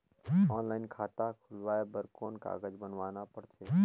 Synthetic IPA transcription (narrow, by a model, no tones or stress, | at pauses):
ɔːnlaːɪnkʰaːt̪akʰʊlʋaːebəɾkoːnka̰ːɡəd͡ʒbənʋaːnapəɽt͡ʃʰeː